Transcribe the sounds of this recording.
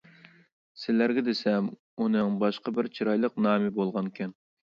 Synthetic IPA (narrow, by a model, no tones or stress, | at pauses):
sɪlæɾɡʲɛd̪ɪsɛm | unɨŋbɑʃqɑbɪɾt͡ʃʰiɾɑjlˠəq̚nɑːmɪbolˠʁɑnkʲʰɛn